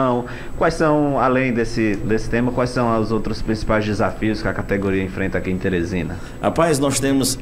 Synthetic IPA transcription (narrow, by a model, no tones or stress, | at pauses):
w̃ | kwajsɐ̃w̃alẽj̃d̪esɪd̪esɪ̥t̪ẽmɐkwajsɐ̃w̃zowt̪ɾʊspɾĩsi̥pajzd͡ʒɪzafiʊskɪɐkat̪eɡoɾiɐẽfɾẽnt̪ɐakiẽt̪eɾezĩnɐ | a̰pajznɔst̪ẽmʊs